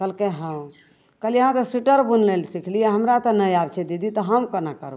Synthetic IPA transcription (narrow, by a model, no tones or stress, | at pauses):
kəlkeɦəm | kəliɦãt̪ɔsuʈəɾbunlelsikʰlijaɦəmɾat̪ɔnəjabt͡ʃʰɛd̪id̪it̪ɔɦəmkənakəɾ